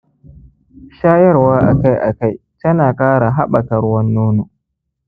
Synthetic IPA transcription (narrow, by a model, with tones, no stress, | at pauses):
ʃaː˦jɐ˦rwaː˦ʔa̰˨ka˦jʔa̰˨ka˦j | tɐ˦naː˨kʼaː˦ɽa˨ɦa˦ɓɐ˨kɐ˨ɽwɐ˦nːoː˦noː˨